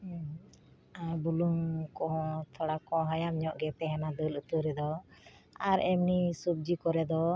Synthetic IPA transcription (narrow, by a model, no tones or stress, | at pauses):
abuluŋkɔ̃t̪ʰɔɽakɔ̃ɦajamɲɔʔɡɛt̪ɛɦɛnad̪əlut̪əɾɛd̪ɔ | aɾɛmnisub̚d͡ʒikɔɾɛd̪ɔ